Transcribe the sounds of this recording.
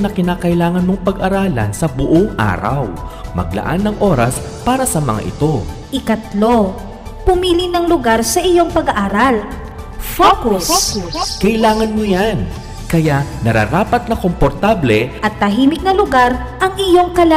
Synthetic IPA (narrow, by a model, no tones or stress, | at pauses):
nɐkɪnaːkɐʔɪlaːŋɐnmoŋpɐɡɐɾaːlɐ̰nsɐbʊʔoŋʔa̰ːɾɐ̰wmɐ̰ɡ̚lɐ̰ʔa̰nːɐŋʔo̞ːɾɐs | paːɾɐsɐmɐŋa̰ʔɪ̰t̪o̞ | ʔɪkɐt̪lo̞ | pʊmiːlɪnɐŋlʊɡaɾsɐʔɪjo̞ŋpɐɡɐʔaːɾal | kskɐʔɪlaːŋɐnmojan | kɐjaʔnɐɾa̰ɾaːpɐt̪̚nɐkompoɾt̪ablɛʔɐt̪̚ːɐɦiːmɪk̚nɐlʊɡaɾ | ʔɐŋɪjo̞ŋkɐla